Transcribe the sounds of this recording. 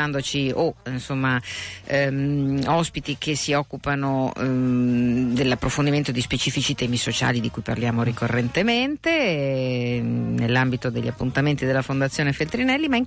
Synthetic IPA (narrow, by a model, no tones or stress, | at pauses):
and̪ot͡ʃioinsomːa | ɔspit̪ik̟ʰesiɔkːupano | d̪elːapːɾofond̪iment̪od̪ispet͡ʃiːfit͡ʃit̪ɛːmisot͡ʃa̰ːlid̪ikujpa̰rljaːmoɾikorːent̪ement̪e | nelːambit̪od̪eʎːapːunt̪ament̪id̪elːafond̪at̪sjoːnefelt̪ɾinɛlːimaiŋ